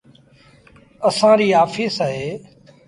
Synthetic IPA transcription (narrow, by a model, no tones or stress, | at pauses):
əsãːɾiːɦaːfiːsaːɦeː